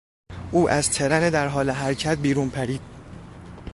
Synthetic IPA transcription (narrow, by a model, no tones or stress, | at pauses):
ʔuːʔæzt̪ʰe̞ɾæned̪æɾɦɒːleɦæɾcʰæt̪̚biːɾuːnpʰæɾiːd̪̥̚